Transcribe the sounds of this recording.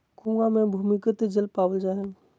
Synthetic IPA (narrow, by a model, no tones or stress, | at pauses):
kũɡamẽbʱumikət̪d͡ʒəlpaːwəld͡ʒaɦe